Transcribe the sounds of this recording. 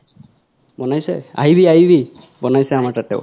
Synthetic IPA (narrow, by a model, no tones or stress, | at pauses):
bɔnajsɛ̰a̰ɦibiaɦibibɔnajsɛamaɹtatɛ̰ʊ